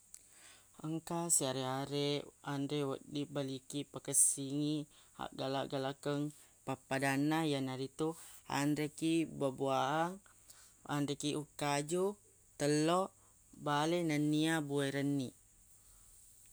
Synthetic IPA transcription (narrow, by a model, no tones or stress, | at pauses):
əŋkasiaɾeaɾeandɾewədibalikipakəsiŋiha̰ʔɡalaɡalakəŋ | papadanajanaɾit̪uha̰ndɾekibabuaːŋ | ʔandɾekiʔukad͡ʒu | t̪əlɔʔ | balənənːiabuəɾənːiʔ